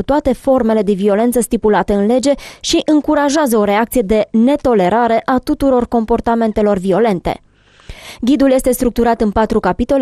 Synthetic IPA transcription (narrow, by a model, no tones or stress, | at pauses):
ut̪oat̪e̞fo̞rme̞le̞d̪e̞vio̞le̞nt̪səst̪ipulat̪əɨnle̞d͡ʒe̞ʃiʔɨŋkuɾaʒeazəo̞ɾe̞ak̚t̪sije̞d̪e̞ne̞t̪o̞le̞ɾaɾe̞ʔat̪ut̪uɾo̞rko̞mpo̞rt̪ame̞nt̪e̞lo̞rvio̞le̞nt̪e̞̰ | ɡʲid̪ulje̞st̪e̞st̪ɾuk̚t̪uɾat̪ɨnpat̪ɾukapit̪o̞l